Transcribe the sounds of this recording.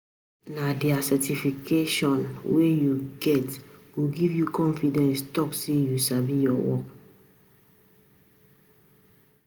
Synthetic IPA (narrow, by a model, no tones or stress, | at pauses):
nadɛasɛtifikʰeʃɔ̃nwejuɡɛtɡ̥oɡivjukɔ̃nfidɛ̃nstɔksejusavijɔwɔ̰k